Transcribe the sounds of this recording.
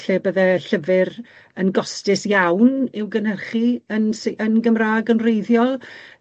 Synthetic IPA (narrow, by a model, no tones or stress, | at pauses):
ɬebəðɛɬəvɪr | ənɡɔstɪsjawnɪwɡənhərχiənsʔənɡəmraːɡənrejðjɔlˠ